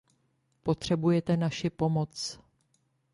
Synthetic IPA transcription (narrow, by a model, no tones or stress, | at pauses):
po̞t̪r̝̥ɛbujɛt̪ɛnaʃɪpo̞mo̞t͡s